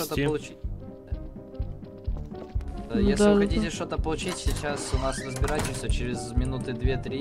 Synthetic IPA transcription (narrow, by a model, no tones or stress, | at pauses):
ot̪əpəlˠʊi | jesʲlɪxɐt̪ʲitʲɪʂt̪o̞t̪əpəlˠʊt͡ɕitʲsʲɪt͡ɕasʊnasrəzbʲɪɾatʲɪsʲət͡ɕɪɾʲɪzmʲɪnut̪ɨd̪vʲet̪ɾʲi